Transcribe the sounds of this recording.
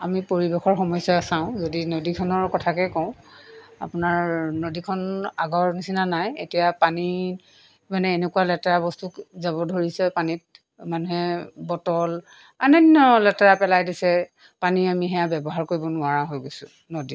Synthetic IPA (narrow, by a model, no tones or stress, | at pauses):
amipoɹibexɔɹxɔmɔjsaasãʊ̃zodinodikʰɔnɔɹkɔtʰakɛkɔʊ̃a̰pʊnaɹnodikʰɔnaɡɔɹnisinanajetijapani | manɛːnekualɛtaɹabɔstukzaβɔdʱoɹisɛpanit̚ | manuɦɛbɔtɔl | a̰nɔnɔlɛtaɹapɛlajdisɛ | paniamiɦɛjabɛbɔɦaɹkoɹibɔnʊaɹaɦojɡojsʊ̃ | nodi